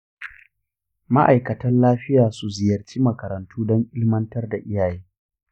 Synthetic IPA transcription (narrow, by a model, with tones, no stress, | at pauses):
ma˦ʔa˨jkɐ˨tɐ˦nlaː˦ɸɪ˦jaː˨su˨zɪ˨jɐ˨rt͡ʃiː˦mɐ˨kɐ˨ɾɐ˨ntuː˦dɔ˦ŋʔɪ˦lmɐ˦ntɐ˦rda˨ʔɪ˦jaː˨jeː˦